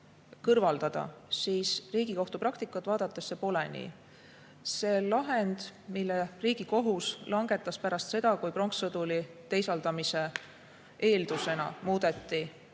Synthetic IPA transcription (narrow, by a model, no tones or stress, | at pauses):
kɤrvɑld̪ɑd̪̥ɑ̰siːsriːɡ̥iko̞ht̪uprɑkt̪ikːˑɑt̪ːˑvɑːd̪̥ɑt̪ːˑe̞sːe̞po̞lenʲḭ | se̞lɑɦe̞nd̪̥milːeriːɡ̥iko̞ɦuslɑŋɡ̥e̞t̪ˑːɑspæɾɑst̪se̞d̪̥ɑkujpro̞ŋksɤd̪̥ulit̪e̞jsɑld̪̥ɑmise̞ | e̞ːld̪use̞nɑ̰muːd̪̥e̞t̪ˑːi